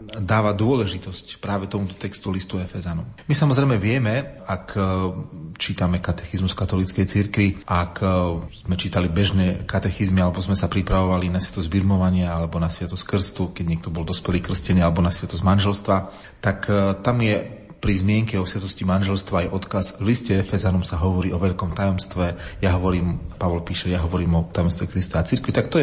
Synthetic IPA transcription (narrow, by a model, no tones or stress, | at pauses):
d̪aːʋad̪ʊɔlɛʒit̪ɔscpɾaːʋɛt̪ɔmut̪ɔ̥t̪ɛkst̪ulist̪uɛfɛzanummisamɔzɾɛjmɛʋɪɛmɛak | t͡ʃiːt̪amɛkat̪ɛ̥xizmusfkat̪ɔlit͡skɛjt͡siɾkʋiʔaːkzmɛt͡ʃiːt̪alibɛʒnɛkat̪ɛxizmialɛbɔzmɛsapɾipɾaʋɔʋalinasjat̪ɔzzbid̪mɔʋaɲɪaalɛbɔnasʋɪat̪ɔsskr̩st̪ukɛɟɲɛk̚t̪ɔbɔld̪ɔspɛliːkr̩scɛniːalɛbɔnasʋjɛt̪ɔzmanʒɛlst̪ʋa | t̪akt̪amjɛ | pɾizmɪɛŋkɛɔsjat̪ɔscimanʒɛlst̪ʋaːjʔɔt̪kazvliscɛɛfɛzanɔmsaɦɔʋɔɾiːʔɔʋɛʎkɔmt̪ajɔmst̪ʋɛjaɦɔʋɔɾiːmpaʋɔlpiːʃɛjaɦɔʋɔɾiːmɔt̪ajɔmst̪ʋɛkɾist̪aat͡siɾkʋit̪akt̪ɔɛ